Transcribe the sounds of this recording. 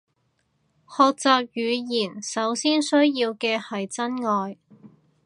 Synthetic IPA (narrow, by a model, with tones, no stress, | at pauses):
hɔː˨˧k̚t͡saː˧p̚jyː˨˧jiː˨˩nsɐ˨˥wsiː˥nsɵ˥ɥjiː˧wkɛː˧hɐ˨jt͡sɐ˥nŋɔː˨j